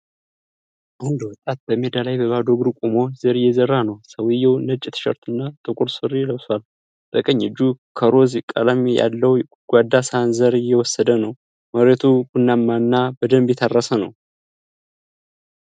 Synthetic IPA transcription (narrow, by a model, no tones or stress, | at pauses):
ʔawhund̪əwɔt̪ʼat̪̚bəmed̪alajbəbad̪oɡɨɾkʼumozəɾjɛzərːanəwsəwɪjɛwnət͡ʃʼːɪt̪ʰɨ̥ʃə̰ɾt̪ʰɨnːat̪ʼɨkʼʊɾsɨrːijləwswal | d̪̥əkʼəɲːɨd͡ʒːukʰəɾo̞zikʼːə̰lamja̰lːəw | ɡ̥ʷad̪ːasanzəɾjɛwɔsːəd̪ənəw | məɾet̪ʰuɡunːamːanːabəd̪əmbjɛt̪ʰarːəsənə̰w